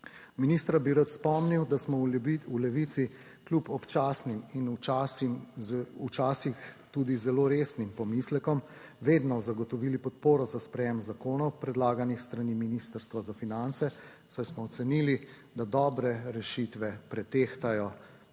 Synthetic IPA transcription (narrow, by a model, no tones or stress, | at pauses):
miniːst̪ɾabiɾat̪spɔmniwd̪asmɔulɛʋit̪si | klʲupɔpt͡ʃaːsnimint͡ʃas | ut͡ʃaːsixt̪uːd̪izɛloɾeːsnimpɔmislɛkɔm | ʋeːd̪nɔzaɡɔt̪ɔʋiːlipɔt̪̚poːɾɔzaspɾɛjemzakoːnɔwpɾɛd̪laːɡanixst̪ɾaniminist̪əɾst̪ʋazafinant̪sɛ | sajsmɔːt̪sɛniːli | d̪ad̪ɔːbɾɛɾɛʃit̪ʋɛpɾɛt̪eːxt̪ajɔ